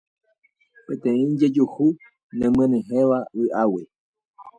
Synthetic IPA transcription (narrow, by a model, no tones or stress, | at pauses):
pẽt̪ẽĩd͡ʒed͡ʒuhu | nẽmẽnẽɦẽʋaɨʔawe